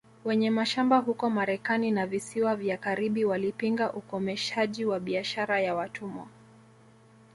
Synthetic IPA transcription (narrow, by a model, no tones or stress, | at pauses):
wɛɲɛmaʃambaɦukɔmaɾɛkaninavisiwavjakaɾiɓiwalipiŋɡaʔukɔmɛʃaʄiwaɓiaʃaɾajawatʰumɔ̰